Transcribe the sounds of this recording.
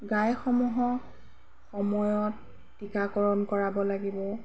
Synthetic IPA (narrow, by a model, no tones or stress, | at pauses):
ɡajxɔmuɦɔ | xɔmɔjɔtː | ikakɔɹɔnkɔɹabɔlaɡibɔ